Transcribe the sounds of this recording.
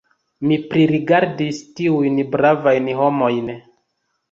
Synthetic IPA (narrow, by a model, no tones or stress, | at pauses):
mipɾiɾiɡaɾdistiujnbɾavajnho̞mo̞jn